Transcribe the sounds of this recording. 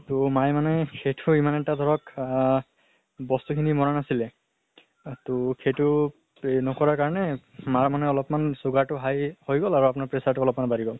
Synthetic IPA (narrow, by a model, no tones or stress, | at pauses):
tʊmajmanɛkʰejtʰʊimanɛtad̪ʱɔɹɔk | bɔst̪ukʰinimɔɹanasilɛ | tʊkʰetʊ | nɔkɔɹaɹkaɹɔnɛ | maɹmanɛɔlɔpmansʊɡaɹtʊɦajhojɡɔlaɹuapʊnaɹpɹesaɹtʊɔlɔpmanbaɹiɡɔl